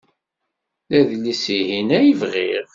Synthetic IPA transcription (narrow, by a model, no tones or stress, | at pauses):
læðlisiɦinæjəvʁiʁ